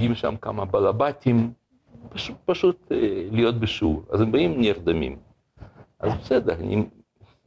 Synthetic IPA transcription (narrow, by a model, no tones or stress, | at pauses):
ɡimʃa̰mka̰mɐbalabatʲim | paʃupɐʃut̪lijot̪̚bɨʃuɾa̰zembaimnʲird̪amʲḭm | ʔa̰zbesɛd̪ɛɾa̰nʲḭ